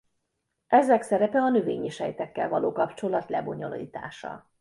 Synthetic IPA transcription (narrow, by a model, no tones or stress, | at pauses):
ʔɛzɛksɛɾɛpɛɒnøveːɲiʃhɛjt̪ɛkːɛlvɒloːkɒpt͡ʃo̞lɒt̪lɛbo̞ɲo̞lḭːt̪a̰ːʃɒ̰